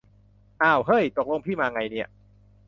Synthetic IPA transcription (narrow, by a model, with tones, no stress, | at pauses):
ʔaː˧˩whɤ˦˥˩jt̪o˨˩k̚lo˧ŋpʰiː˥˩maː˧ŋa˧jni˦˥˩ɐ